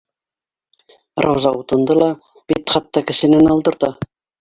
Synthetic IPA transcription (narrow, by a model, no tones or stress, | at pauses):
rɑwzɑut̪ɤ̆nd̪ɤlˠɑ | b̥it̪χɑt̪ːɑkɘ̆ʃɘ̆nɘnɑlˠd̪ɤ̆ɾt̪ɑ